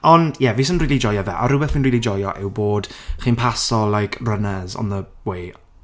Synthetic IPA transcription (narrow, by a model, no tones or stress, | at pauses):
ɔnjɛviːs̬ɔnriːlid͡ʒɔjɔvɛʔa̰ɾʊbɛθiːnriːlˠid͡ʒɔjɔʔɪwboːd̥χiːnpʰasɔlˠajkʰrənɛzɔ̰nðə | wej